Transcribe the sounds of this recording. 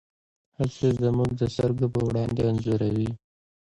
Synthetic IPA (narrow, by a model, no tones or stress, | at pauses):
hasezəmuɡ̚d̪əsaɾɡopəwɽɑnd̪eanzoɾawi